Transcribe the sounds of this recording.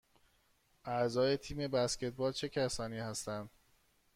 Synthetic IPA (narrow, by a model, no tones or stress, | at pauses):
ʔæzɒːje̞t̪ʰiːme̞bæsce̞t̪̚ʰbɒːlt͡ʃʰe̞cʰæsɒːniːhæst̪ænd̪̥